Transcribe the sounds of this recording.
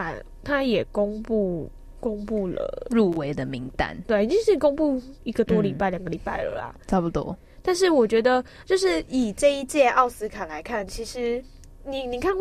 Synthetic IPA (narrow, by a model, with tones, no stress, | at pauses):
a˨˩ | t̪ʰa˦jɛ˨˩ko˥˦ŋpu˥˩ | ko˦˥ŋpu˥˩lə̰˨˩ɻu˥˩we˧˦ɪd̪ə˨mi˧˥ŋt̪a̰˥˨nt̪we˥˩ɪi˨˩t͡ɕi˥ŋʂɻ̩˥˩ko˥ŋpu˥˧i˧˥ɡə˨t̪wɔ˦˥li˨˩pa˥˩ɪljɑ˨˩ŋɡə˦li˨˩pa˥˩ɪlə̰˧˦lɐ̰˩t͡sʰɑ˥ʊpu˨˩t̪wɔ̰˦ | t̪a˥˧nʂ̬ɻ̩˥˩wɔ˨˩t͡ɕɥɛ˧˥d̪ə˧ | t͡ɕjo˥˧ʊʂɻ̩˥˩i˨˩ʈ͡ʂɤ˥˧i˥˧t͡ɕjɛ˥˧ʔɑ˥˩ʊsɹ̩˥kʰa˨˩la˧˦ɪkʰa˥˩nt͡ɕʰi˧˥ʂɻ̩˧˦ | ni˨˩ni˨˩kʰa˥˩n